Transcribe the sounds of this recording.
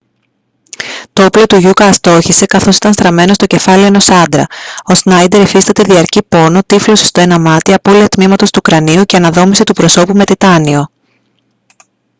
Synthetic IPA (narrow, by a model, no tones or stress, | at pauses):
t̪ooplo̞t̪uʝukɐːst̪o̞çise̞kɐθo̞si̥t̪ɐnst̪ɾɐme̞no̞st̪o̞ce̞fɐlio̞eno̞sɐnd̪ɾɐo̞snɐjd̪e̞ɾifist̪ɐt̪e̞ðiɐɾcipo̞no̞t̪iflosest̪o̞e̞nɐmɐt̪iɐpo̞liɐt̪mimɐt̪o̞st̪uːkɾɐniuce̞ɐnɐðo̞miset̪upɾo̞so̞pume̞t̪it̪ɐnio̞